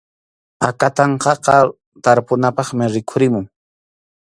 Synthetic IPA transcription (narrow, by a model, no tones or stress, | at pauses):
akat̪ɑɴqɑqɑ | t̪aɾpʊnapɑχmɪɾɪkʰʊɾɪmʊŋ